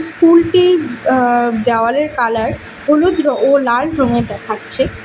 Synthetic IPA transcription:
skulʈi | d̪ɛoaleɾkalaɾ | olud̪ɾoolalɖʱɾoŋed̪ɛkʰatːɕʰe

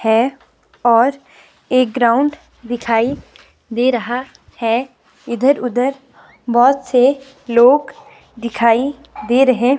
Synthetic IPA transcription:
hɛ | ɔːɾ | eːk̚ɡɾaːʊ̃ɳɖ | d̪ɪkʰaːi | d̪eːɾɐɦa | hɛ | ɪd̪ʱəɾʊd̪ʱəɾ | bɔːt̪se | loːɡ | d̪ɪkʰaːi | d̪eːɾɐɦẽː

